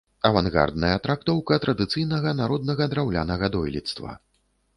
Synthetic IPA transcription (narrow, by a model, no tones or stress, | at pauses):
ɐvanɣa̰rd̪nɐjɐt̪ɾakt̪ɔwkɐt̪ɾʔɐd̪ɨt̪sɨjnɐɣɐnaɾɔd̪nɐɣɐd̪ɾawlʲa̰nɐɣɐd̪ɔjlʲḭt̪st̪vɐ̰